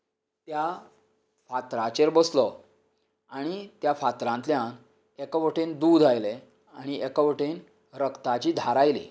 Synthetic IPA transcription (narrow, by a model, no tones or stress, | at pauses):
t̪ja | fat̪ɾat͡ɕeɾbəslɔ | aɽ̃it̪jafat̪ɾãnt̪ljãn | ekəʋəʈend̪uːd̪ʱajle | aɽ̃iekəʋəʈen | ɾəkt̪at͡ɕiːd̪ʱaɾajlḭ